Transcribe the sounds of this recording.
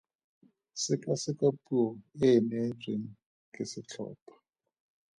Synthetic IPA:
sɪkʼasɪkʼapʼuɔɪnet͡sʼeŋ̩ | kʼɪsɪt͡ɬʰɔ̰ːpʰḁ

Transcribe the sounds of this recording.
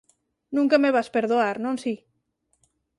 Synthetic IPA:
nũŋkəmeβaspeɾðoaɾnonsi

